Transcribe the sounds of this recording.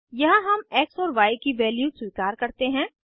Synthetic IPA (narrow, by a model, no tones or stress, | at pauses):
jɐɦãɦɐmɛːksɔːɾʋaːikiʋɛːljuːsʊiːkaːɾkɐɾt̪eɦɛ̃ː